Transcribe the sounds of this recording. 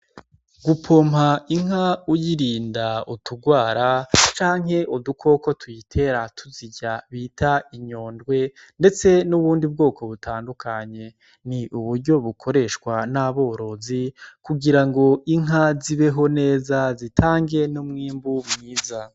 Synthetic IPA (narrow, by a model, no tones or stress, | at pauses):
ɡupʰo̞mhaiŋaujiɾiːndautuɡwaːɾat͡ʃaːŋ̥ɦe̞ʔudukʰo̞ko̞tʰujitʰe̞ɾatʰuziɟaβiːtʰaiɲo̞ːndɡwe̞ | nde̞t͡se̞nuβuːndib̚ɡo̞ːko̞βutʰaːndukʰaɲe̞ | niʔuβuɾɟo̞βukʰo̞ɾe̞ʃkwanaβo̞ːɾo̞zikuɡiɾaŋɡo̞ʔiŋɦaziβe̞ɦo̞ne̞ːzazitʰaːŋɡe̞numŋiːmbumŋiːza